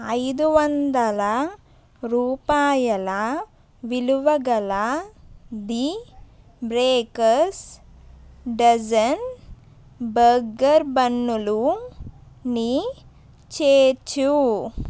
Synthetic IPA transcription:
ɐjd̪uʋɐnd̪ɐlɐ | ɾuːpaːjɐlɐ | ʋiluʋɐɡɐlɐ | d̪i | bɾeːkɐɾs | ɖɐd͡ʒɐn | bɐɡɐɾbɐnːulu | ni | t͡ʃeːt͡ʃːu

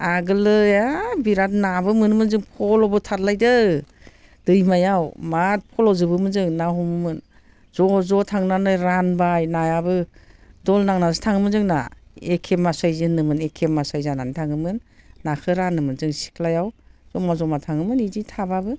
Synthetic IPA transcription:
aɡɯlɯjabiɾat̚nabɯmɯnmɯnzɯŋpʰɔlɔbɯtʰatlajdɯ | d̥ɯjmajawmat̚pʰɔlɔzɯbɯmɯnzɯŋnaɦɔmɯmɯn | z̥ɔzɔtʰaŋnanɯɾanbajnajabɯdɔlnaŋnazɯtʰaŋɯmɯnzɯŋna̰ekʰemasajzɯnɯmɯnekʰemasajzanantʰaŋɯmɯnːakʰɯɾanɯmɯnzɯŋsi̥klajawz̥ɔmazɔmatʰaŋɯmɯniditʰababɯ

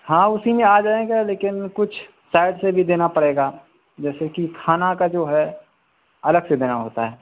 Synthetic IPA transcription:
hãːʊsimẽaːd͡ʒaːẽɡeleːkɪnkʊt͡ʃʰ | saːɪɖsebʱid̪eːnapɐɽeːɡa | d͡ʒɛːsekikʰaːnakad͡ʒoːɦɛ | ɐləɡsed̪eːnaɦo̰ːt̪aɦɛː

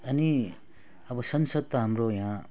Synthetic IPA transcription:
ɐni | ɐbʌsʌnsʌd̪̚t̪aɦamɾojã

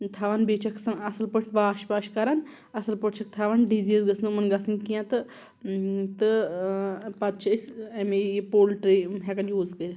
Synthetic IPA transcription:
t̪ʰaʋanbeːt͡ʃʰɐkʰsɐnɐsɨlpəʈʲʋaːʃpaʃkɐɾan | ɐsɐlpəʈt͡ʃʰɐk̚t̪ʰaːʋanɖiziːzɡɐsnmɐnɡasɨnkijãt̪ɨ | t̪ɨ | pɐt̪̚t͡ʃʰɐsʲɐmejpoːlʈɾeɦekɐnjuːzkəɾʲi

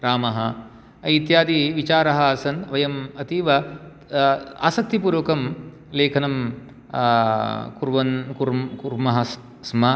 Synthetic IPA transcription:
ɾaːmɐɦɐ | it̪jaːd̪iʋit͡ʃaːɾɐɦɐasɐnt̪ʋɐjɐmɐt̪iːʋɐ | a̰ːsɐk̚t̪ipuːɾʋɐkɐm | leːkʰɐnɐm | kuɾʋɐnkuɾkuɾmɐɦɐ | smɐ

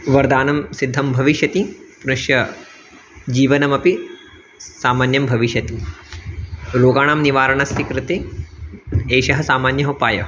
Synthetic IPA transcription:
ʋɐɾd̪aːnɐmsid̪ʱːɐmbʱɐʋiʃjɐt̪ipɾuʃjɐ | d͡ʒiːʋɐnɐmɐpi | saːmaːnjɐmbʱɐʋiʃjɐt̪i | ɾoːɡaːɳaːmniʋaːɾɐɳɐst̪ʰikɾɪt̪e | eːʃɐɦɐsaːmaːnjɐɦɐpaːjɐ̰

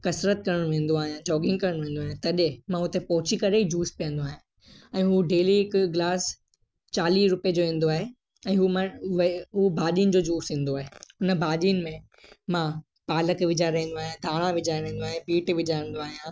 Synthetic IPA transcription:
kɐsɾət̪̚kɐɾəɽ̃ʋẽːnd̪oaːɦijãd͡ʑɔːɡɪ̃ŋɡkɐɾəɽ̃ʋẽːnd̪aːɦjãt̪ɐɗemãɦʊt̪epɐɦʊt͡ɕikɐɾeid͡ʑuːspijə̃nd̪oaːɦjĩ | ɛ̃ːɦuɖeːlikɡlaːs | t͡ɕaːliːɾʊped͡ʑoːɦẽːn̆d̪oaːɦe | ɛ̃ːɦumãʋɦubʱaːɗiʊnd͡ʑoːd͡ʑuːsɦĩːn̆d̪oaːɦeʊnəbʱaːɗinɪ̆mẽ | mã | paːləkʋɪd͡ʑaːɾɐɦĩːn̆d̪oaːɦijãd̪ʱaːɽ̃ãʋɪd͡ʑʱaɾɐɦĩːnd̪oaːɦẽpiːʈʋɪd͡ʑaɾə̃n̆d̪oaːɦijã

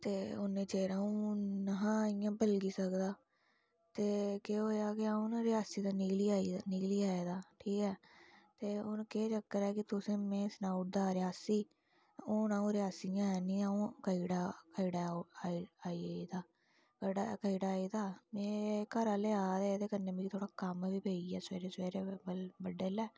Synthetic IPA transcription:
t̪eːʊnẽːt͡ʃeːɾãːũːnaɦãːɪjãːpəlɡiːsəkd̪aː | t̪eːkeoːjaːkɪaːũnɾɪaːsiːd̪aːniːkliːaːiːniːkliːaːeːd̪aːʈʰiːkɛːt̪eːʊnkeːt͡ʃəkːəɾɛːkɪt̪ʊsẽːmɛ̃ːsnaːʊʈ̚d̪aːɾɪjaːsiː | ʊnaːũːɾɪjaːsijãːɛːnĩːaːũːkəiːɽaːkəiɽaːiaːiːiːd̪aː | kəɖakəiːɽaːiːd̪aːmɛ̃ːkəɾaːleːaːd̪eːd̪eːkəneːbiːt̪ʰoːɽaːkəmʋiːpeːiːɛːsḛːɾeːsʋeːɾeːbəlbəɖːeːlɛː

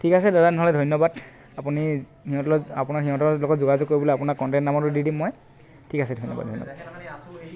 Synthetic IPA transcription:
tʰikasɛdatanɔɦɔlɛdʱɔjnɔbad | apuni | hiɦɔ̃tɔlɔapunaxiɦɔ̃tɔlɔɡɔtzoɡazɔkːoɹibɔlɔapunakɔntɛntnamɔtʊdidimːoj | tʰikasɛdʱojnːɔba̰dʱɔjnɔ̰bad

